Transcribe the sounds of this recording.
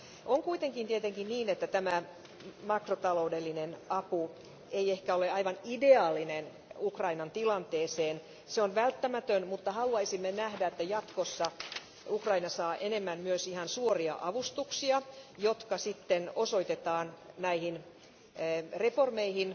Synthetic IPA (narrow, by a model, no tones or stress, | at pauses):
ʔoŋkuit̪eŋkint̪iet̪eŋkinniːnet̪ːæt̪æmæ | mɑkrot̪ɑloudelːinenʔɑpu | eijehkæoleɑiʋɑnideɑːlːˑinen | ukrɑinɑnt̪ilɑnt̪eːseːn | seonʋælt̪ːæmæt̪ønmut̪ːɑhɑluɑisimːenæhdæet̪ːæjɑt̪kosːɑ | ukrɑinɑsɑːʔenemːænmyøsihɑnsuoriɑ̰ʔɑʋust̪uksiɑjot̪kɑsit̪ːenoso̞it̪et̪ɑːnnæihinː | reformeihin